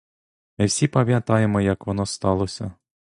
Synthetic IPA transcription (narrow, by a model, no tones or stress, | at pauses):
mɪwsʲipɐmʲjɐt̪ɑjemɔjɐkʋɔnɔst̪ɑlˠɔsʲɐ